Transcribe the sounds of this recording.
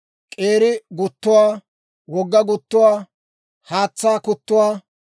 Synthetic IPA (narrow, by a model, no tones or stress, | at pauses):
kʼeːɾɪɡʊt̪ːʊwaː | wɔɡːɐɡʊt̪ːʊwaː | haːt͡sːaːkʊt̪ːʊwaː